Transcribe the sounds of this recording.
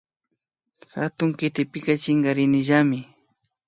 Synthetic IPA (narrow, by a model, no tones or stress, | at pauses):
xat̪ʊŋkɪt̪ɪpɪkɑt͡ʃɪŋɢɑɾɪnɪʒamɪ